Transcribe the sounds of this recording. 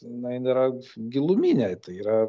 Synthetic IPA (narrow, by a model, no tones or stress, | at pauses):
jɪnɐɪnʲeːɾɐɡʲɪlˠʊmʲiːnʲɛɪt̪ɐɪiːɾɐ